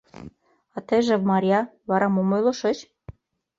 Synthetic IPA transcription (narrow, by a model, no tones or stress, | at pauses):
ɑt̪eʒĕmɑɾʲjɑβɑɾɑmomojlɤ̆ʃɤt͡ɕ